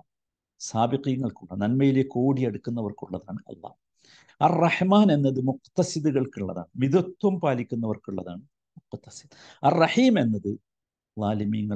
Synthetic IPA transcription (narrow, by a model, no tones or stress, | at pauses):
saːbiqiːŋːɐɭkuɭːɐnɐnmɐjilekoːɽiɐɽukːunːɐʋɐrkuɭːɐða̰ːɳɨɐ̰lːɑ̰ː | ɐrːɐħmaːne̞nːɐðɨmuqt̪ːɐsid̪uɣɐɭkuɭːɐða̰ːɳɨmiðut̪wɐmpaːlikʲːunːɐʋɐrkuɭːɐða̰ːɳɨ | mʊqt̪ːɐsid̪ | ɐrːɐħiːme̞nːɐðɨ | ðaːlimiːŋːɐ